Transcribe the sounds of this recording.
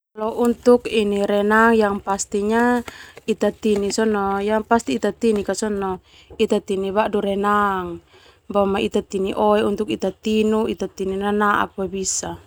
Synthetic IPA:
lɔʔunt̪ukiniɾɛnaŋjaŋpast̪iɲait̪at̪inisɔnɔjaŋpast̪iːt̪at̪inikasɔnɔ | it̪at̪inibaʔduɾɛnaŋ | bamait̪at̪iniʔɔɛunt̪ukit̪at̪inuit̪at̪ininanaʔa̰k̚wabisa

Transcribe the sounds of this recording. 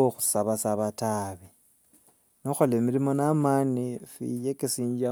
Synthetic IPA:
oxu̥saβasaβataβi | noxolemiɾimonamanifḭjekesiːɲd͡ʒa

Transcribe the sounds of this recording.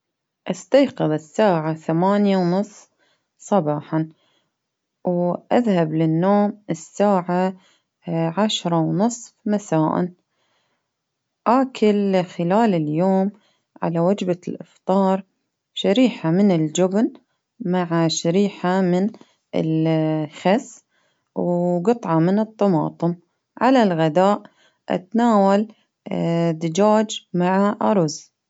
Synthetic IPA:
ʔast̪ajqɨðˤɪsːaːʕaθamaːnjawnɨsˤf | sˤɑbɑːħɑn | wʔaðhablɪnːoːmɪsːaːʕa | ʕaʃɾˤɑwnɨsˤfmasaːʔa̰n | ʔaːkʰɪlxɪlaːlɪljoːm | ʕa̰lawad͡ʒbalʔɪ̰ft̪ˤɑːɾˤ | ʃaɾiːħamɪnɪld͡ʒʊbn | maʕaʃaɾiːħamɪn | ʔɪ̰lxas | wɡɨt̪ˤʕɑmɪnɨt̪ˤːɑmɑ̰ːt̪ˤɨm | ʕalalɣad̪aːʔ | ʔa̰t̪anaːwal | d̪ɪd͡ʒaːd͡ʒmaʕaʔaɾˤʊz

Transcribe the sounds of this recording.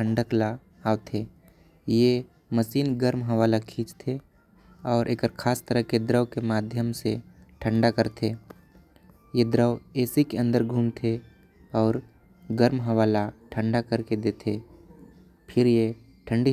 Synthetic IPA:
ə̃ɳɖəkla | aːʋt̪ʰe | je | məsiːnɡəɾmɦəʋaːlakʰĩːt͡ʃt̪ʰe | ɔːɾʔeːkəɾkʰaːst̪əɾəɦked̪ɾəwkemaːd̪ʱjəmseʈʰə̃ɳɖakəɾt̪ʰeː | jed̪ɾəweːsikeə̃nd̪əɾɡʱuːmt̪ʰe | ɔːɾ | ɡəɾmɦəʋaːlaʈʰə̃ɳɖakəɾked̪eːt̪ʰe | pʰɪɾje | ʈʰə̃ɳɖi

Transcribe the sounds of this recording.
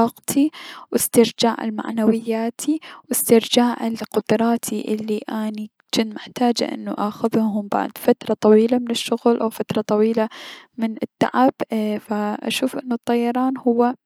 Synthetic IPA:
ɑːqt̪ʰiwɪst̪ɪɾd͡ʒaːʕɪ̰lma̰ʕnawɪjːaːt̪ʰiwɪst̪ɪɾd͡ʒaːʕɪlqʊd̪̥ɾˤɑːt̪ʰiʔɪlːiʔaːni | t͡ʃɪnt̪mɪħt̪aːd͡ʒa̰ʔɪ̰nːuʔaxʊðhʊɦʊmba̰ʕd̪fat̪ɾˤɑt̪ˤɑwiːlamɪnɪʃːʊɣlʔawfat̪ɾˤɑt̪ˤɑwiːlamɪnɪt̪ːa̰ʕab̥faʔa̰ʃuːfʔɪnːʊt̪ˤːɑjːɑɾˤɑːnhʊwːa

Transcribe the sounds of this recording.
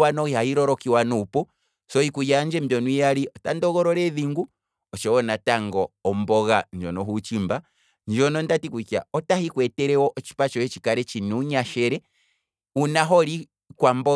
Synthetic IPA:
wanɔihahiɾɔɾɔkiwanupɔ | sɔikujaɲd͡ʒɛmbjɔnuijaɾiɔtandɔɣɔɾɔɾɛðiŋɡu | ɔt͡ʃɛwɔnataŋɡɔːmbɔɣaɲd͡ʒɔnɔɦut͡ʃimba | nd͡ʒɔnɔndatikuka̰ɔtahikwɛtɛɾɛwɔʔɔt͡ʃi̥pat͡ʃɔjɛt͡ʃikaɾɛt͡ʃinuɲaʃɛɾɛ | unaɦɔɾi | kwambɔ

